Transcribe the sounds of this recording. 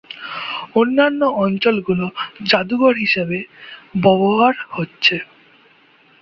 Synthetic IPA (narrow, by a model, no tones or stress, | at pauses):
onːanːoɔnt͡ɕolɡulod͡ʑad̪uɡoɾɦiʃebebɔboɦaɾhotːɕʰe